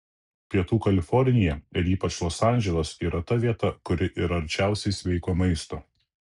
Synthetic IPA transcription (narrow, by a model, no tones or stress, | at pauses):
pʲiɛt̪uːkɐlʲɪfɔɾʲnʲɪjɛɪɾiːpɐt͡ʃʲlˠoːsɑˑnʲʒʲɛlˠoːsiːɾɐt̪ɐʋʲiɛt̪ɐkʊɾʲɪʔɪːɾɐɐɾʲt͡ʃʲæˑʊsʲɛɪsʲʋʲɛɪkoːmɐɪst̪oː